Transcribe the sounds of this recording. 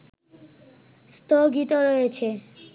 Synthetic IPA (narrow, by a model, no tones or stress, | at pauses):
st̪oɡit̪oɾojet͡ɕʰe